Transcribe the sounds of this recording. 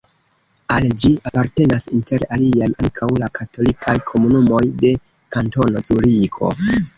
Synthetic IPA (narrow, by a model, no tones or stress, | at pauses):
ald͡ʒiapaɾte̞nasinte̞ɾaliajʔaŋkʰawlakʰato̞likʰajkʰo̞munumo̞jde̞ | kanto̞no̞t͡suɾikʰo̞̰